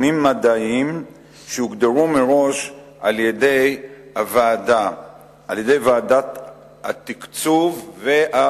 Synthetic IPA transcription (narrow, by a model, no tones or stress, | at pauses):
nimːad̪aim | ʃeuɡd̪eʁumeʁo̞ʃ | ʔaljed̪ejavaad̪a | ʔa̰ljed̪e̞jvaad̪at̪ | a̰t̪ikt͡suvːea